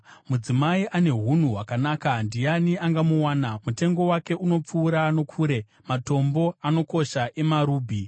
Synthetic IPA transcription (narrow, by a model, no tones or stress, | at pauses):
mud͡zimaiʔane̞ɦun̤uɦwakanaːkandijaniʔaŋɡamuwaːnamute̞ŋɡo̞wake̞ʔuno̞p͡fuːɾaːno̞kʰuːɾe̞ | mato̞mbo̞ano̞ko̞ʃaʔe̞maɾuːbʱi